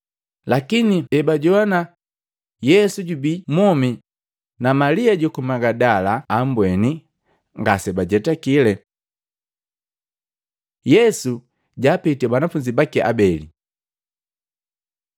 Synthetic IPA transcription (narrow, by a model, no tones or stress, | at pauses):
lakiniɛbaɟɔana | jɛsuɟubimɔmi | namaliaɟɔkumaɡadalaːmbwɛni | ŋɡasɛbaɟɛtakilɛ | jɛsu | ɟaːpitɛbanafuɲd͡ʒibakɛʔa̰bɛli